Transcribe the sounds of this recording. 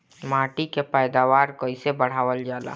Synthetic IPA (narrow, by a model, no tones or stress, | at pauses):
maːʈikepəjd̪aːʋaːɾkəɪsebəɽ̤aːʋəld͡ʒaːla̰ː